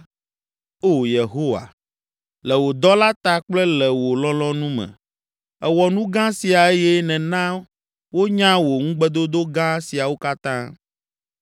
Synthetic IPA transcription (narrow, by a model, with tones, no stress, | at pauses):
o˦˨je˨ɦo˦wa̰˨ | lɛ˨wo˨d̪ɔ˦la˦t̪a˦k͡plɛ˦lɛ˨wo˨lɔ̃˦lɔ̃˦nũ˦mɛ̰̃˨ | ɛ˨wɔ˨nũ˦ɡã˦si˨a˨e˦jɛ˦nɛ̃˨nã˦ | wo˦ɲã˦wo˨ŋũ˦ɡ͡bɛ˦d̪o˦d̪o˦ɡã˦si˨a˨wo˦ka˦t̪ã˦